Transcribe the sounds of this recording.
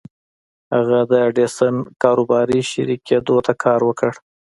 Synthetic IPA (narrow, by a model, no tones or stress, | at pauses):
haɣad̪əɖesənkɑɾobɑɾiʃa̰ɾikʰed̪ot̪ʰakʰɑɾwəkəɽ